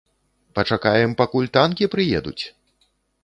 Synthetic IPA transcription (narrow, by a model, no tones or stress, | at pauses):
pɐt͡ʂakajɛmpakulʲt̪ankʲipɾɨjɛd̪ṵt͡sʲ